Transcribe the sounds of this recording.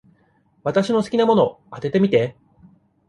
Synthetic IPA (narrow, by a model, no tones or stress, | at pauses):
βat̪aɕino̞sɨ̥kʲinamo̞no̞ | at̪e̞t̪e̞mʲit̪e